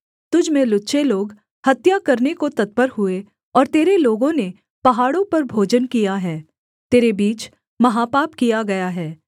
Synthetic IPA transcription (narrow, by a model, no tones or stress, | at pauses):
t̪ʊd͡ʒʱmẽlʊtːʃeloːɡ | hɐt̪jakɐɾnekot̪ɐt̪̚pəɾɦʊe | ɔːɾt̪eːɾeloːɡõne | pɐɦaːɽõpɐɾbʱoːd͡ʒənkijaɦɛː | t̪eːɾebiːt͡ʃ | mɐɦaːpaːpkijaɡɐjaɦɛː